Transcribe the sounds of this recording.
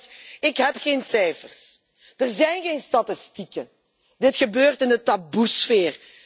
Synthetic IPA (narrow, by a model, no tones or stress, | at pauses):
ɪkɦɛpxeːnsɛjfərs | d̥ərzɛjnɣeːjnstatɪstikə | dɪtxəbøːrtɪndətabusfeːr